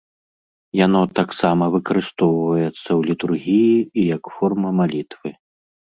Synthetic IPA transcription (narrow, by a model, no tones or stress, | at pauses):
janɔt̪aksamɐvɨkɐɾɨst̪ɔwvɐjɛt̪sːɐwlʲit̪urɣʲijiːjɐkfɔrmɐmalʲit̪vɨ